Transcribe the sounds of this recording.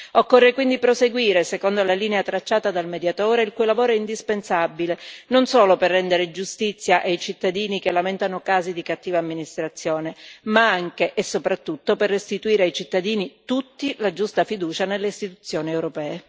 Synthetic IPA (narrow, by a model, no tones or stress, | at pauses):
okːorːekwind̪ipɾoseɡwiːɾesekond̪olaliːneat̪ɾat͡ʃːaːt̪ad̪almed̪jat̪oːɾeilkujlavoːɾoɛind̪ispensabilenonsoːloperːɛnd̪eɾed͡ʒust̪it̪sːjaʔajt͡ʃit̪ːad̪iːnikelament̪anokaːzid̪ikat̪ːiːvaːmːinist̪ɾat̪sːjoːnemaaŋk̟eʔːsːopɾat̪ːut̪ːoperːest̪it̪uiːɾeajt͡ʃit̪ːad̪iːnit̪ut̪ːilad͡ʒust̪afid̪uːt͡ʃanelːeist̪it̪ut̪sːjoːniewɾopɛːe